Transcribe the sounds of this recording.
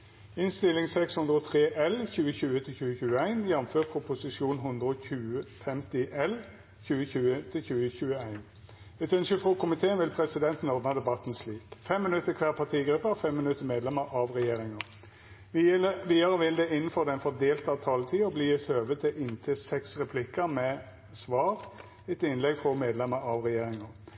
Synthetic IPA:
ɪnst̪ɪlːɪŋsɛkshʉnd̪ʁəɔt̪ʰʁeːʔɛlçʉːəçʉːət̪ʰɪlçʉːəçʉːəæɪnjɛnføːʁpʰʁʊpʊsɪʃuːnɦʊnd̪ʁəɔçʉːəfɛmt̪ɪʔɛl | çʉːəçʉːət̪ʰɪlçʉːəçʉːəæɪn | ɛt̪œnsəfʁoːkʰʊmɪt̪ʰeːənʋɪlpʰʁɛsɪd̪ɛnt̪n̩ɔd̪nɑd̪ɛbɑt̪ːn̩sliːkfɛmːɪnʉt̪ːəkʰʋɛːʁpʰɑt̪ʰiːɡɾʉpːəfɛmːɪnʉt̪ːəmeːd̪lɛməɾʔɑʋʁɛjeːɾɪŋə | ʋiːɑʁəʋɪld̪ɛɪnən̩fɔʁd̪ɛnfɔd̪eːlt̪ɑt̪ʰɑːlət̪ʰiːɔbliːɪt̪ʰøːʋət̪ʰɪlɪnt̪ʰeːsɛksʁɛpʰlɪkːəmɛ | sʋɑːɾ | ɛt̪ɪnlɛɡfʁɔmeːd̪lɛməɑʋʁɛjeːɾɪŋə

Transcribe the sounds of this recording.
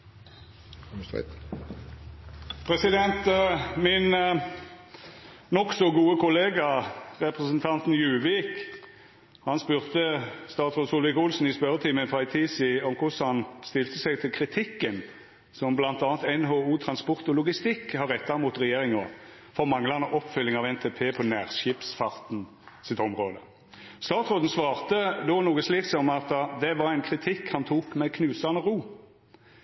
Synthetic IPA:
pʰʁɛsɪd̪ɛnt̪mɪn | nɔksɔɡuːəkʊleːɡɑʁɛpʁəsənt̪ʰɑnt̪njʉːʋiːk | hɑnspʉːʁt̪əst̪ɑːt̪sʁʊsʊlʋɪkʊlsn̩ɪspœɾət̪ʰɪmənfɑɪt̪ʰiːsɪɔmkʰʊshɑnst̪ɪlt̪əsɛɪɡt̪ʰɪlkʰʁɪt̪ʰɪkːən | sɔmblɑnt̪ɑːnt̪ɛnɦoːuːt̪ʰʁɑnspɔʁt̪ɔlʊɡɪst̪ɪkːhɑʁɛt̪ːɑʁmuːt̪ʁɛjeːʁɪŋə | fɔʁmɑŋlɑnəʔɔpːfʏlːɪŋɑʋɛnt̪ʰeːpʰeːpʰɔnæːʁʃɪpsfɑʁt̪n | sɪt̪ɔmʁoːd̪ə | st̪ɑːt̪sʁoːd̪n̩sʋɑːʁt̪əd̪oːnuːɡəsliːksɔmɑt̪d̪ɛʋɑɾæɪnkʰʁɪt̪ʰɪkhɑnt̪ʰuːkmɛkʰnʉːsɑnəʁuː

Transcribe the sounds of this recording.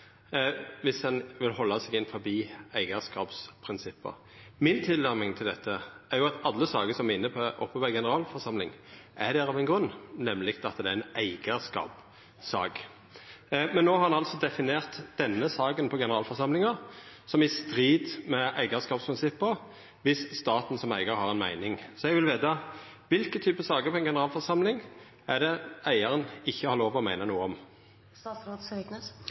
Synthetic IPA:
ʋɪsd̪ɛnʋɪlhɔlːɑsɛːɡɪnfɔɾbiːæɪɡəskɑːpspʰʁɪnsɪpːə̰ | mɪnt̪ʰɪlːæʁmɪŋt̪ʰɪld̪ɛt̪ʰːəʔæɾjʊɑt̪ɑlːəsɑːɡəsɔmæɪnːəpʰɔʔɔpːəbɑɡɛnəɾɑːlfɔʁsɑmlɪŋʔæd̪æːɾɑʋɛnɡɾʉnːɛmlɪɡt̪ɑt̪d̪ɛæɪnæɪɡ̥əskɑ̰ːp | sɑ̰ːɡ | mɛnːoːhɑɾɑnɑlsɔd̪ɛfɪneːʁt̪d̪̥ɛnːəsɑːɡənpʰɔɡɛnəʁɑːlfɔsɑmlɪŋɑsɔmɪst̪ʁiːd̪mɛʔæɪɡəskɑːpspʰʁɪnsɪpːə | ʋɪsst̪ɑːt̪n̩sɔmæ̰ɪɡəʁhɑʁɛnmæɪnɪŋsɔɛɡʋɪlʋeːt̪ɑ | ʋɪlkət̪ʰyːpəsɑːɡəpʰɔɛɪnɡɛnəʁɑːlfɔʁsɑmlɪŋ | æd̪ɛæɪəʁənɪçːəhɑʁloːʋɔmæɪnənuːəɔm | t̪ɑːsɾoːd̪sknə

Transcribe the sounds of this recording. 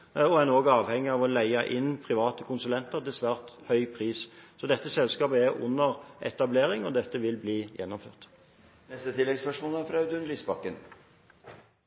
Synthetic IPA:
ɔænoːɡɑːʋhɛŋːɪɑʋɔlæɪɑʔɪnpʰʁɪʋɑːt̪əkʰʊnsʉlɛnt̪əʁt̪ɪlsʋæːʁt̪hœʏpʰʁiːssɔd̪ɛt̪ːəsɛlskɑːpəɛʁʊ̰nːəʁɛ̰t̪ɑbleːɾɪŋɔd̪ɛt̪ːəʋɪlbliːjɛnːɔmfø̰ːʁt̪ | nɛst̪ət̪ʰɪlːɛɡspœʂmoːlæɾfɾɑʉd̪ʉnliːsbɑkːən

